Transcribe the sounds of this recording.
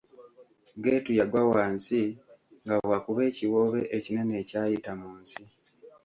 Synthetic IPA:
ɡeːtujaɡwawaːnsiŋɡawakuβe̞ːciwo̞βe̞ʔecine̞ne̞ːcaːjitamuːnsi

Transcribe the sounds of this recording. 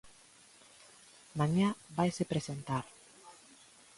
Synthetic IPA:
mãɲabajsepɾesent̪aɾ

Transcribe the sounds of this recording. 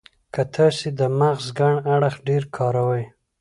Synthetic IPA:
kat̪ʰɑsed̪əmaɣzɡaɳaɽəxɖeɾkʰɑɾawaj

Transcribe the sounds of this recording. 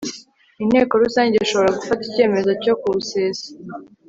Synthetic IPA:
inhe̞ːko̞ɾusaːɲɟeiʃo̞βo̞ɾaɡufatice̞ːme̞zo̞co̞kuseːsa

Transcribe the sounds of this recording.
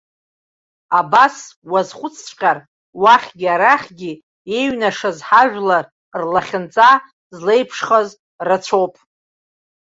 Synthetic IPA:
abaswazχʷʊt͡sʰt͡ʃʷʼqʲʼar | waχʲɡʲiaɾaχʲɡʲi | e̞ɥnaʂazħaʒᶣlar | rlaχʲɪnt͡sʼa | zle̞jpʰʂχaz | rat͡ʃʷʰowpʼ

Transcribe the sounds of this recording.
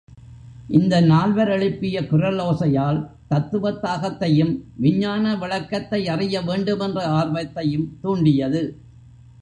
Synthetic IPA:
ʔɪnd̪ɐnaːlʋɐɾɐɭɪpːɪjɐkʊrɐloːsɐjaːl | t̪ɐt̪ːɯʋɐt̪ːaːɣɐt̪ːɐjɯmʋɪɲːaːnɐʋɪɭɐkːɐt̪ːɐɪɐrɪjɐʋeːɳɖɯmɛndrɐaːrʋɐt̪ːɐjɯmt̪uːɳɖɪjɐðɯ

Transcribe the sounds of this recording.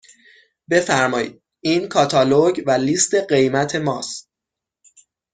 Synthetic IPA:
be̞fæɾmɒːjḭːd̪̚ | iːnkʰɒːt̪ʰɒːloɟvæliːst̪e̞ɢe̞jmæt̪ʰe̞mɒːst̪̚

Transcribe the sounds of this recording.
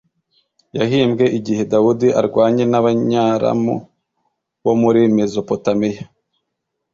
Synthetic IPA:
jaɦiːmbɡe̞ʔiɟihe̞dawudiʔaɾɡwaːɲe̞naβaɲaːɾa̰mṵ | βomuɾimezo̞po̞tameja

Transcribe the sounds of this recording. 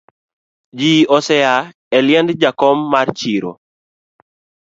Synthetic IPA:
d͡ʒiɔsɛa | ɛljɛndd͡ʒakɔmːart͡ʃiɾo̰

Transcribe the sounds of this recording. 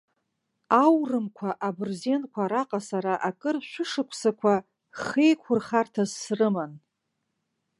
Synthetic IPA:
awrɨmkʷʰaʔabɨrze̞nkʷʰaɾaqʼasaɾaʔakʼɨrʃᶣʷʊʂɨkʷʰsakʷʰa | χejkʷʰʊrχartʰazːrɨman

